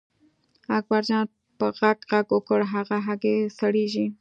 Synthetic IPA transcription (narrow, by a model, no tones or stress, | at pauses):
aɡbaɾd͡ʒɑ | pəɣaɡɣaɡʊkəɽɦaɣaɦaɡesaɽeʒi